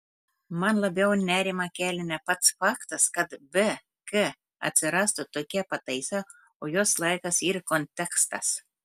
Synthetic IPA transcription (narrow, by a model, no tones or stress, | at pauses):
manlˠabʲɛwnʲæːɾʲimakʲæːlʲinʲæpat̪sfakt̪askat̪bɨ | kɨ | a̰t̪ʲsʲɨɾast̪ɨt̪okʲæpat̪ʲɛjsaː | ɔjɔɔslˠajkasiɾkɔnʲt̪ʲɛkst̪as